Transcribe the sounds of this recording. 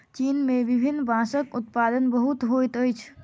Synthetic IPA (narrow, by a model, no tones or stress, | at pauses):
t͡ʃinmebibʱinːbʱãsəkut̪̚pad̪ənbəɦut̪ɦojt̪əjt͡ʃʰ